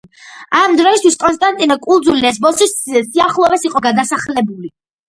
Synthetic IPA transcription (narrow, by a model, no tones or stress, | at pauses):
amd̪ɾɔist̪ʰwiskʼɔnst̪ʼant̪ʼinɔkʼulˠd̪zuliɛs̬bɔsissiaχlˠɔvɛsiqʼɔɡad̪asaχlɛbuli